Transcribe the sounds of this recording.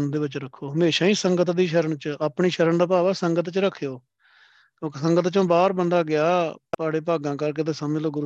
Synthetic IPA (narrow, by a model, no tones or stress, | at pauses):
nd̪eːʋɪt͡ʃɾəkʰːoːɦəmeːʃãːiːsəŋɡət̪d̪iːʃəɾəɳt͡ʃaːpɳiːʃəɾəɳd̪aːpaːʋaːsəŋɡət̪t͡ʃɾəkʰːjoː | kjõːkːsəŋɡət̪t͡ʃõːbaːɾbənd̪aːɡɪaːt̪aːɽeːpaːɡãːk̬əɾk̬eːd̪əsamɪloːɡʊɾ